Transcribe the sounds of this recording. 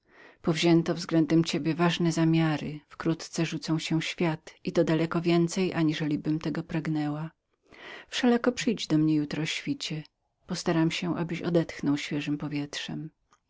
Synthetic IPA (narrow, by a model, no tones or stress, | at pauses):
pɔvʑɛnt̪ɔvzɡlɛnd̪ɛmt͡ɕebʲjɛvaʐnɛzamʲjaɾɘfkɾut̪t̪sɛʐut̪sɔ̃w̃ɕɛ̃ɕfʲjat̪it̪ɔd̪alɛkɔvʲjɛnt̪sɛjʔaɲiʐɛlʲibɘmt̪ɛɡɔpɾaɡnɛwa | fʂɛlakɔpʂɘjd͡ʑd̪ɔmɲɛjut̪ɾɔɕfʲit͡ɕɛ | pɔst̪aɾamɕɛʔa̰bɘɕɔ̰d̪ɛt̪xnɔwɕfʲjɛʐɘmpɔvʲjɛtʂɛm